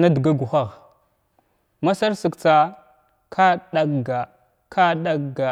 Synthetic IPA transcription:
na˦du˨ɡa˦ɡu˨xa˦˨ɣ | ma˦sa˦ɾsə˨kt͡sa˦ | kʰa˦ɗa˦ɡa˨ | kʰa˦ɗa˦ɡa˨

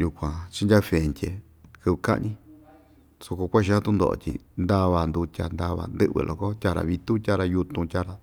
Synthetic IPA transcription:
ju˧kʷã˨t͡ʃi˦ndʲa˦fe˨nt̪ʲe˧ | kɨ˧βka̰˦ʔnĩ˦ | so˧ko˧kʷa˦ʃ̬i˧a˦˧t̪ũ˦nd̪o̰˧ʔo̰˧˨t̪ʲḭ˧nd̪a˦˧βa˧nd̪u˧tʲa̰˧nd̪a˧βa̰˧˨nd̪ɨ̰˦ʔβɨ̰˧˨lʔo̰˨ko˦tʲa˧ɾa̰˧˨βi˧t̪u˦tʲa˦˧ɾa˧ju˧t̪ũ˧tʲa˦ɾa˧

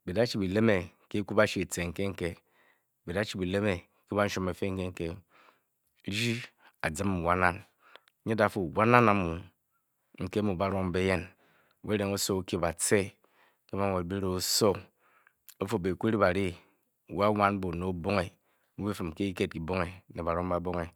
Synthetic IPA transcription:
bi˨da˦t͡ʃi˨bi˨le˦me˨ | ke˦ku˦ba˦ʃi˦e˨te˨ŋ̩˨ke˦ŋ̩˦ke˦˨ | bi˨da˦t͡ʃi˦˨bi˨le˦me˨ | ki˦ba˦n̩˦ʃu˦me˨fe˦ŋ̩˦ke˦ŋ̩˦ke˦ | d͡ʒi˦ | a˨d͡zɨ˦m˦˨wa˦na˦n˦ | ɲe˦da˨fo˨wa˦na˦na˨˦mu˨ | ŋ̩˨ke˦mu˨ba˨ɾo˦ŋm˦be˦je˦n˨ | e˦ɾe˨ŋo˦so˦o˦ki˦˨ba˨t͡se˦ | ke˦ba˦˨ŋʷo˨tbi˦ɾo˨o˦so˦ | o˦fo˨be˨kʷu˦ɾi˦ba˨ɾi˦˨ | wa˦wa˦n˦bo˨no˨˦bo˦ŋe˨˦ | mu˦be˦fɨ˨m˨ke˦i˦ke˦t̚ki˨bo˦ŋe˨ne˨ba˨ɾo˦ŋ˦ba˨bo˦ŋe˨

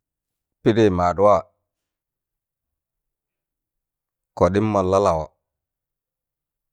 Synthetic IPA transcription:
pi˦de˦˨ma˨ɗu˦wa˦˨ | ko˨ɗi˦mːa˨la˦la˨wa˨

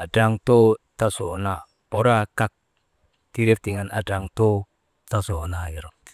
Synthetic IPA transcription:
a˨da˨ŋt̪o˦t̪a˦so˨na˨ | o˨˦ɾa˦ka˦k̚ | t̪iɾe˦fd̪i˨ŋa˨na˨da˨ŋt̪o˦ | t̪a˦so˨na˨i˨ɾo˨

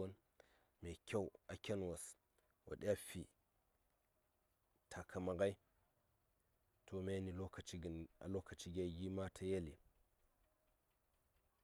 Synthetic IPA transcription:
o˦n | me˨kʰʲa˦wa˨kʲe˦nwa˨s | wʔa̰˨ɗa˦fi˨ | tʰa˨kʰa˨ma˨ɡa˦i˦ | tʰo˦me˦ni˨lo˦ka˨t͡ʃi˦ɡna̰˨lo˦ka˨t͡ʃi˦ɡʲa˦ɡi˦ma˦tʰa˦je˦li˨

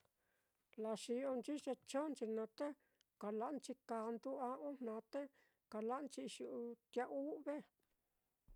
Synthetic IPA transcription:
la˧ʃi˧o˧nt͡ʃi˦t͡ʃe˧t͡ʃõ˦nt͡ʃi˧nã˧˦t̪e˦ | ka˨la˧ʔnt͡ʃi˧ka˧nd̪u˦a˧õ˦nnã˨˧˦t̪e˦ | ka˨la˦ʔnt͡ʃi˧ʃu˧ʔu˧t̪ja˧ʔu˦βe˦

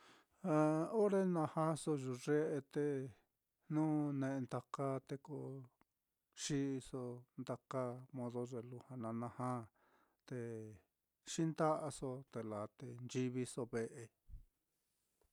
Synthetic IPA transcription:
a˧o˦ɾe˦nã˧hã˦so˧ʒu˧ʐe˦ʔe˧t̪e˧ | nũ˦nẽ˧˨e˧nd̪a˧ka˦t̪e˧ko˧ | ʃi˦˧so˧nd̪a˧ka˦mõ˧ðo˧ʐe˧lu˧hã˧nã˧nã˧hã˦ | t̪e˧ | ʃi˦nd̪a˦ʔa˧so˧t̪e˧la˨t̪e˧˨nd͡ʒi˧βi˧so˧βe˧ʔe˧

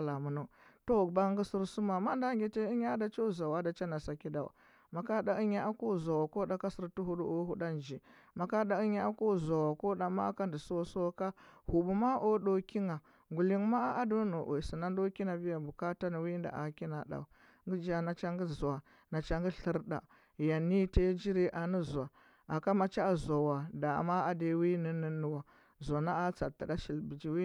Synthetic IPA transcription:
la˨mu˨no˦to˦˨ba˦ŋ˦ɡi˦si˦ɾsu˦ma˨ma˦nda˦ŋɡʲe˨te˦i˦ɲa˦a˦da˨t͡ʃo˦˨za˨wa˦da˨t͡ʃa˦na˨sa˨ki˦da˨wa̰˨ | ma˨ka˦da˨i˦ɲa˦a˦ko˦˨za˨wa˨ko˦da˨ka˦sə˨ɾtu˦ɦu˦du˦o˦ɦu˦da˦n˨d͡ʒi˨ | ma˨ka˦da˨i˦ɲa˦a˦ko˦˨za˨wa˨ko˦da˨ma̰˦ka˦ndi˨so˦so˦ka˦hu˨bu˨ma˦ʔo˦ɗo˨ki˦ŋa˨ | ŋɡu˨li˦ŋma˦a˦ʔa˦do˦no˨ʔo˨si˨na˦n˦do˦ki˦na˨bi˦ja˨bu˨ka˦ta˦ni˨wi˦nda̰˨ʔa˨ki˦na˨ɗa̰˨u˨ | ŋɡi˦d͡ʒa˨na˨t͡ʃa˦ŋɡi˦zwa˨ | na˨t͡ʃa˦ŋɡi˦ɬə˦ɾda̰˨ | ja˨ni˦te˦d͡ʒi˦ɾi˦ʔa˨ni˦za˨ | a˨ka˦ma˨t͡ʃa˦˨za˨wa˨da̰˨ma˦a˨de˨˦wi˦ni˦nə˦nu˦wa˨ | za˨na˦a˦t͡sa˨tːa˨da˦ʃi˨lbi˨d͡ʒi˨wi˦

